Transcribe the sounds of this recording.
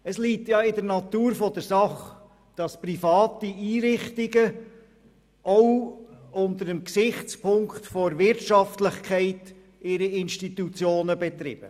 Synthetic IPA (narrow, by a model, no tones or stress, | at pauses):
əsliːtjɑɪdəɾnɑtuːɾfɔdəɾsɑχ | d̥ɑsprifɑːtiiːɾɪχtiɡə | ʔɔ | ʊntəɾəmksɪχt͡spʰʊŋktfɔɾʋɪɾtʃɑftlɪχkʰɛɪt | ɪɾiɪnʃtit̪ut͡sjoːnəbɛt̪ɾɪb̥ə̰